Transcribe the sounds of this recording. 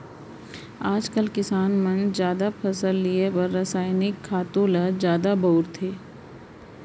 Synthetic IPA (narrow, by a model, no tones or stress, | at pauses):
aːd͡ʒkəlkɪsaːnmə̃nzjaːd̪apʰɐsəlːiepəɾːəsaːɪnɪkʰːaːt̪õlazjaːd̪abɔːɾt̪ʰeː